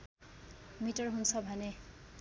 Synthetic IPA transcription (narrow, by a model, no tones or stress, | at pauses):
miʈʌrɦunt͡sʰʌbʱʌne